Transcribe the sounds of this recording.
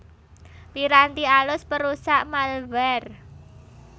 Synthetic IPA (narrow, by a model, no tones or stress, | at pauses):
piɾant̪ialʊspəɾusaʔmalvɛr